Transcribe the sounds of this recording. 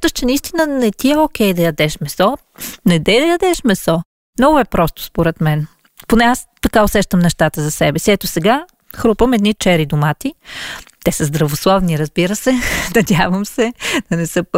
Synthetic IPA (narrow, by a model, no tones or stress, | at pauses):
t̪əʃt͡ʃɛnɐist̪inənɛt̪iɛokʲɛjd̪ɐjɐd̪ɛʃmɛsɔ | nɛd̪ɛjd̪ɐjɐd̪ɛʃmɛsɔ | mnɔɡʊɛpɾɔst̪ʊ̥spoɾɛt̪mɛn | ponɛast̪ɐkaosɛʃt̪əmnɛʃt̪at̪əzɐsɛbɛsiɛt̪osɛɡa | xɾupəmɛd̪nit͡ʃɛɾid̪ʊmat̪it̪ɛsəzd̪ɾɐvoslˠɔvniɾɐzbiɾəsɛnɐd̪ʲjavəmsɛd̪̥ɐnɛsɤp